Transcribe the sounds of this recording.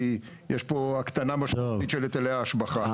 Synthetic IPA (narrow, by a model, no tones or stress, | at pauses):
i | jeʃpoakt̪anamaʃmit̪ʃelet̪eleaːʃbaχa